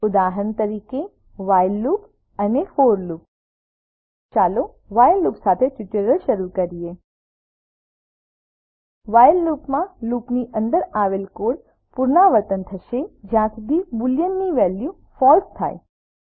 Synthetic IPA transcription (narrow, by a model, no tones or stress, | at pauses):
ʊd̪aɦənt̪əɾiːke | ʋajlːuːp | ənefoːɾluːp̚ | t͡ʃaːlo | ʋajlːupsat̪ʰeʈɪʈeɾəɭʃəɾukəɾije | ʋajlːuːpmãluːpniʔənd̪əɾaʋelkoɽ | puɾnaʋəɾt̪ənt̪ʰəʃed͡ʒjãsud̪ʱibuljənːiʋɛlju | fɔlst̪ʰa̰ːe